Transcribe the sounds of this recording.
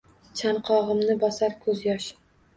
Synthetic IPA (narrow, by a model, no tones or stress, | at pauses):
t͡ʃʰanqʰɒʁɨmnɪbɒsaɾkʰɵzjɒʃ